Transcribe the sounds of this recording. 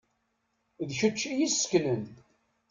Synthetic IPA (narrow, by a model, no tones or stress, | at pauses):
ðçut͡ʃːijisə̥knən